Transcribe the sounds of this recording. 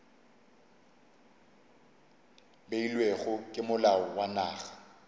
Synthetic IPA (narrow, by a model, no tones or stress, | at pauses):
beilweɣʊkʼɪmʊlaɔwanaːɣḁ